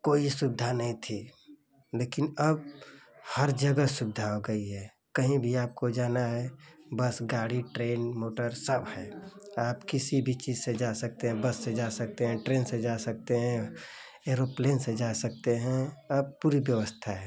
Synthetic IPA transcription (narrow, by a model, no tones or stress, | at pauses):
koːisʊbɪd̪ʱanəɦĩt̪ʰi | leːkɪnəb̚həɾd͡ʒəɡəsʊbd̪ʱaɦoɡəiɦɛː | kəɦĩbʱiaːp̚kod͡ʒaːnaɦɛbəsɡaːɽiʈɾeːnmoːʈəɾsəbhɛːaːpkɪsibʱit͡ʃiːzsed͡ʒasək̚t̪eɦɛ̃bəsːed͡ʒasək̚t̪eɦɛ̃ʈɾeːnsed͡ʒasək̚t̪eɦɛ̃ | eːɾopleːnsed͡ʒasək̚t̪eɦɛ̃əb̚puːɾibjəʋəst̪ʰaɦɛː